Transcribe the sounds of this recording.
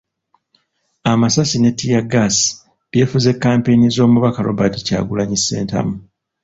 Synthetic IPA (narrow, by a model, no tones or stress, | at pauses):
amasasine̞tːijaɡasi̥ | βje̞ːfuze̞kːaːmpe̞jnizo̞ːmuβakalo̞̰βatica̰ːɡulaɲisːe̞̰ːnta̰mu